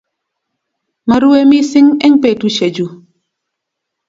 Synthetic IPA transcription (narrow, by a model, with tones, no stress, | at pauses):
ma˨ɾu˦e˦mi˦sɪ˦ŋɛ˦ŋpe˨tu˦ʃe˨d͡ʒu˨